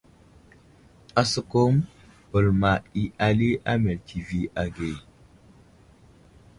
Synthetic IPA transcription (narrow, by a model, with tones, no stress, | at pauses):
a˨sə˦ko˦m | bə˨lma˨i˨ʔa˨li˦ʔa̰˦me˨ltʰi˨vi˨ʔa˨ɡe˨